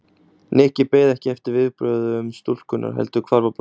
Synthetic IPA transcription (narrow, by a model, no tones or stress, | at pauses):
nɪhcɪpeːjðɛhcɪɛft̪ɪɾvɪðpɾœːðʏʏmst̪ul̥kʏnʔa̰ɾ̥ɦɛ̰lt̪ʏkʰvaɾvap